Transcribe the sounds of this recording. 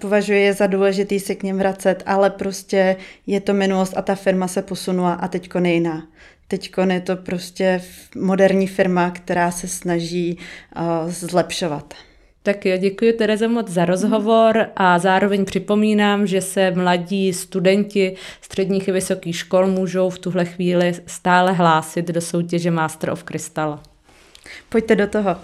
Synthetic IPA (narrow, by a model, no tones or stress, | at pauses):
povaʒujɛjɛzaduːlɛʒɪt̪iːsɛkɲɛmvɾat͡sɛt̪ʔalɛpɾo̞scɛjɛt̪o̞mɪnulost̪at̪afɪɾmasɛpo̞sunulaʔat̪ɛckonjɛjɪnaːt̪ɛcko̞njɛt̪o̞pɾo̞scɛmo̞dɛɾɲiːfɪɾmakt̪ɛɾaːsɛsnaʒiː | zlɛpʃo̞vat̪ | t̪akjoɟɛkujʊt̪ɛɾɛzomo̞t͡sd͡zzaɾo̞zɦo̞vo̞ɾʔazaːɾo̞vɛɲpr̥ɪpo̞miːnaːmʒɛsɛmlaɟiːst̪udɛɲcɪst̪r̥ɛdɲiːxavɪso̞kiːxʃko̞lmuːʒo̞wft̪uɦlɛxviːlɪst̪aːlɛɦlaːsɪt̪do̞so̞wcɛʒɛmaːst̪ɾʔofkɾɪst̪al | poct̪ɛdot̪oɦo